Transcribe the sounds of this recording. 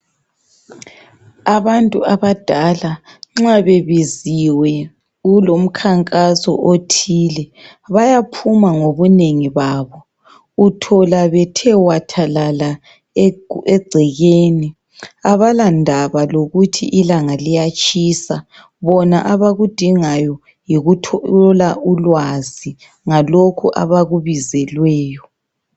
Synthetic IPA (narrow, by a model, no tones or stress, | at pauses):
aβantʼuaβad̥ʱalaŋ͡ǁaβeβiziwɛ | ulom̩kʰaŋkʼasɔ̰ʔotʰiːlɛ | βajapʰumaŋoβuneŋiβaːβɔ | utʰɔlaβɛtʰɛwatʰalala | ɛɡ͡ǀʱɛɣeːni | aβalandʱaβaloɣutʰḭʔilaŋalijat͡ʃʼisa | βɔnaʔaβaɣud̥ʱiŋajɔ | jiɣulaulwazi | ŋalokʰuʔa̰βaɣuβizɛlwɛːjɔ